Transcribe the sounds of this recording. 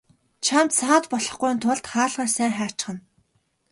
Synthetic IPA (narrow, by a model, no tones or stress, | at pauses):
t͡ɕʰamt̪saːt̪pɔɮɞ̆χɡujnt̪ʰʊɮt̪χaːɮʁaːrsæːŋχḁːt͡ɕχə̆n